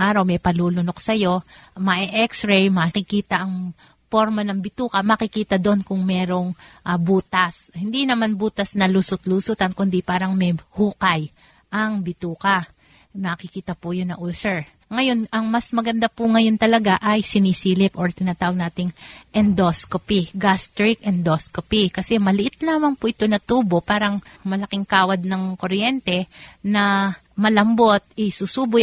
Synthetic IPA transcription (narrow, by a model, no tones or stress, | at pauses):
ʔaːɾɐwmɛjpɐluːlʊnok̚sɐjo̞mɐʔɛʔɛksɹɛjmɐkɪkiːt̪ɐʔɐŋ | po̞ɾmɐnɐŋbɪt̪uːkɐmɐkɪkiːt̪ɐd̪o̞nkʊŋmɛːɾo̞ŋʔɐbuːt̪ɐshɪnd̪inɐmanbuːt̪ɐsnɐlʊsʊt̪lusut̪ɐnkʊnd̪ɪpaːɾɐŋmɛhuːkɐj | ʔɐŋbɪt̪uːkɐ | nɐkɪkiːt̪ɐpʊjonɐʔulsɛɹ | ŋɐjo̞nʔɐŋmɐsmɐɡɐnd̪apʊŋɐjo̞nt̪ɐlɐɡaʔɐjsɪniːsiːlɪpʔoɹt̪ɪnaːt̪aːwɐɡ̚naːt̪ɪŋʔɛnd̪oskopiɡast̪ɾɪkʔɛnd̪oskopikɐsɛmɐlɪʔɪt̪̚laːmɐŋpʊʔɪt̪o̞nɐt̪uːbopaːɾɐŋmɐlɐkɪŋkaːwɐd̪̚nɐŋkoɾjɛnt̪ɛnɐ | mɐlɐmbo̞t̪̚ɪsusuːbʊ